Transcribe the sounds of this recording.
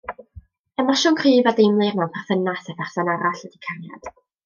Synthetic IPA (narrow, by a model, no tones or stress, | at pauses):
əmaʃɔːŋkʰriːvadejmlˠɨrmawnpʰarfənasɛpɛχsanaɾaɬwədikʰarja̰d̥